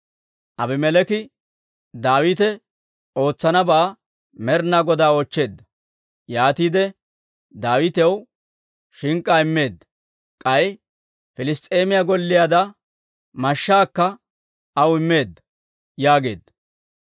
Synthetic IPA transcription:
ʔɐbɪmɛlɛkɪ | d̪aːwɪt̪ɛ | o̞ːt͡sːɐnɐbaː | mɛɾnaːɡɔd̪aːot͡ʃːe̞ːd̪ːɐ | jaːt̪iːd̪ɛ | d̪aːwɪt̪ɛw | ʃɪŋkʼːaːɪmːe̞ːd̪ːɐ̥ | kʼɐj | fɪlɪst̪ʼe̞ːmɪjaɡɔlːɪjad̪ɐ | mɐʃːaːkːɐ | ɐwɪmːe̞ːd̪ːɐ | jaːɡe̞ːd̪ːɐ̥

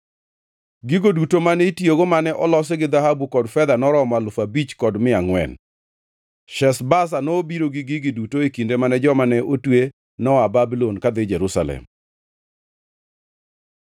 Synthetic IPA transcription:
ɡiɡodutomanɛitjoɡomanɛʔɔlɔs̬eɡɪd̪ahabukɔdfɛd̪anɔɾɔmalʊfabit͡ʃkɔdmɪaŋwɛ̰n | ʃɛsbas̬anobiɾoɡɪɡɪɡɪdutoekindemanɛd͡ʒɔmanɛʔotwe | nɔababilɔnkad̪ed͡ʒɛɾusa̰lɛ̰m

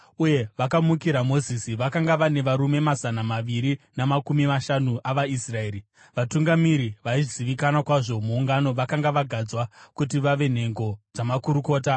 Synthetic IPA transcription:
uje̞ʋakamukiɾamo̞zisiʋakaŋɡaʋane̞ʋaɾume̞mazanamaʋiɾinamakumimaʃanuʔaʋaisrae̞ːɾi | ʋatuŋɡamiɾiʋaiʐziʋikanakwaʐo̞muːŋɡano̞ʋakaŋɡaʋaɡʱad͡zwakut̬iʋaʋe̞n̤e̞ŋɡo̞d͡zamakuɾuko̞ːt̬a

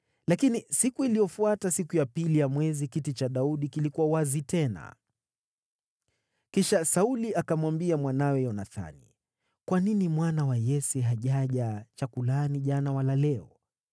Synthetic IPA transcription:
lakinisikuilijɔfuatasikujapilijamwɛzikitit͡ʃaɗauɗikilikuwawazitɛna̰ | kiʃasauliakamwambiamwanawɛjɔnaθa̰nḭ | kwaninimwanawajɛsɛɦaʄaʄat͡ʃakulaniʄanawalalɛɔ

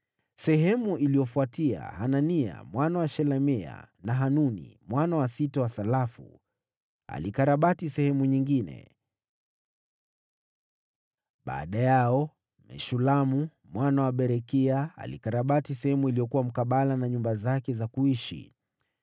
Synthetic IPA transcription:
sɛɦɛmuʔilijɔfuatia̰hanania̰mwanawaʃɛlɛmɛa̰naɦanunḭmwanawasitawasalafṵ | a̰likaɾaɓatisɛhɛmuɲiŋɡinɛ̰ | ɓa̰ːɗajaɔ | mɛ̰ʃulamu | mwanawaɓɛɾɛkiaa̰lḭkaɾaɓatisɛhɛmuilijɔkuwam̩kaɓalanaɲumbazakɛzakuiʃḭ

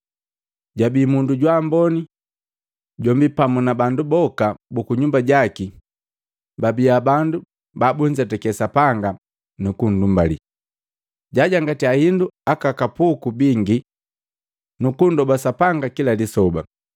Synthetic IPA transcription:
ɟabiːmunduɟwambɔni | ɟɔmbipamunabandubɔkabukuɲumbaɟaki | babiabandu | babuɲ̩d͡ʒatɛkɛsapaŋɡa | nukun̩dumbalḭ | ɟaɟaŋɡatiahinduakakapukubiŋɡi | nukundɔbasapaŋɡakilalisɔba̰

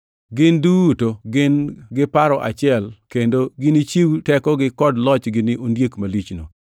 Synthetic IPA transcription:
ɡɪndutoɡɪnɡɪpaɾɔʔa̰t͡ʃɪɛlkendoɡɪnit͡ʃiwtɛkɔɡɪkɔdlɔt͡ʃɡɪnɪʔondjekmalit͡ʃno̰

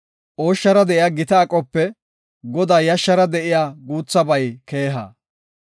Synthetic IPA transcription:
ʔoːʃːɐɾɐd̪ɛʔɪjaːɡɪt̪ɐːkʼːɔpːɛ | ɡɔd̪aːjɐʃːɐɾɐd̪ɛʔɪjaːɡuːt͡sːɐbɐjke̞ːɦɐ̰

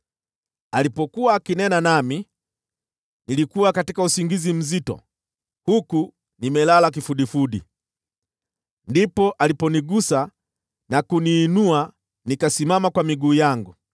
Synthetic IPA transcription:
alipɔkuaːkinɛnanami | nilikuwakatikausiŋɡizim̩zitɔ̰ | huku | nimɛlalak̬ifuɗifuɗḭ | ndipɔʔalipɔniɡusa | nakuniːnua | nikasimamakwamiɡuːjaŋɡu

